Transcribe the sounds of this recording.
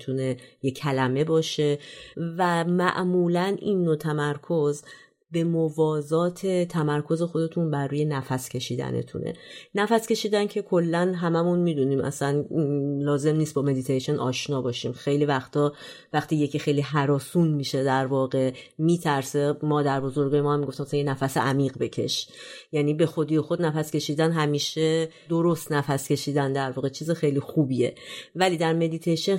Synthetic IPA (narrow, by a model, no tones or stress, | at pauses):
t̪ʰune̞jecʰælæme̞bɒːʃe̞væmæʔmuːlænʔinːot̪ʰæmæɾkʰo̞z | be̞movɒːzɒːt̪ʰe̞t̪ʰæmæɾkʰo̞ze̞xo̞d̪e̞t̪ʰunbæɾːuːje̞næfæscʰe̞ʃiːd̪æ̰nḛt̪ʰṵnḛnæfæsce̞ʃiːd̪æncʰe̞kʰo̞lːænɦæmæmunmid̪uniːmʔæ̰sænlɒːze̞mniːst̪bɒːme̞d̪it̪ʰeʃo̞nʔɒ̰ːʃnɒːbɒːʃiːmxe̞jliːvæxt̪ʰɒː | væxt̪iːjecʰixe̞jliɦæɾɒːsunmiːʃe̞d̪æɾvɒːɣe̞miːt̪ʰæɾsemɒːd̪æɾbo̞zo̞ɾɡɒːjemɒːhæmːiɡo̞ft̪imæsænjenæfæseʔæmiːɢbe̞cʰe̞̰ʃjæniːbe̞xo̞d̪iːjexo̞d̪næfæscʲʰe̞ʃiːd̪ænɦæmiːʃe | d̪oɾo̞st̪næfæscʲe̞ʃiːd̪ænd̪æɾvɒːɣet͡ʃʰiːzexe̞jliːxuːbie̞̰væliːd̪æɾme̞d̪it̪ʰeʃen